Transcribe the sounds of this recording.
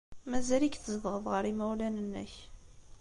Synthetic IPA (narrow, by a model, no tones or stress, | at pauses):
mæzælikθəzəvʁəðˤʁəɾimæwlænənːə̰ç